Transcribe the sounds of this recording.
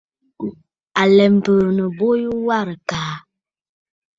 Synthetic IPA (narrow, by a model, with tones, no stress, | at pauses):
a˨lɛ˨m̩˨pəː˨nə˨bo˦ju˦wa˦ɾə˨kaː˨˦